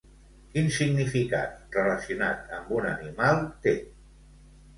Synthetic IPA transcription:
kinsiɡnifika̰t̪rələsiunat̪əmbunənimalˠt̪e

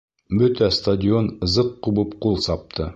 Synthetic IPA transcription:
bɵt̪æst̪ɐdʲɪonɤ̆zɤqːubɤpqulˠsɑp̚t̪ʰɤ

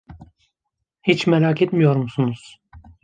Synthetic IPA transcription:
hit͡ʃmɛɾaːkʰet̪mijo̞ɾmusunuz̥

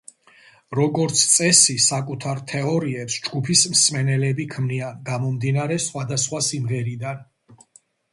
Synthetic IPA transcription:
ɾɔɡɔɾt̪sʰt̪sʼɛsisakʼut̪ʰaɾt̪ʰɛɔɾiɛpsd͡ʒɡupʰismsmɛnɛlɛbikʰmniaɡamɔmd̪inaɾɛsχwad̪asχwasimʁɛɾid̪an

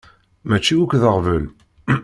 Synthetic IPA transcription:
mæt͡ʃːiukðəʁvəl

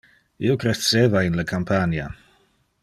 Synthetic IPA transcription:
ḭokɾet͡sːeːvainlakʰampʰanja̰

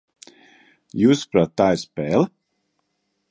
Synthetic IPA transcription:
juːspɾat̪ːajspɛːlˠ

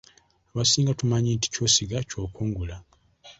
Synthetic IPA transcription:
aβasiːŋɡatumaɲinti̥co̞ːsiɡaco̞ːkuːŋɡula

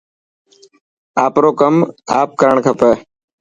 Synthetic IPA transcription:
aːpɾoːkəmaːp̚kəɾəɳkʰəpɛː

